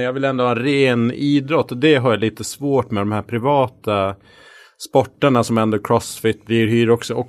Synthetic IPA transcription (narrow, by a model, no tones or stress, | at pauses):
njɑɡvɪlɛnd̪ʊhɑːɛnɾeːniːd̪ɾɔt̪ːɔd̪ɛɦaɾjaliːt̪əsvoːʈmɛd̪ɔmhæːɾpʰɾɪvɑːt̪a | spɔʈːəɳasɔmɛnd̪əkʰɾɔsfɪt̪ːvɪɾɦyːɾɔksɔʔɔ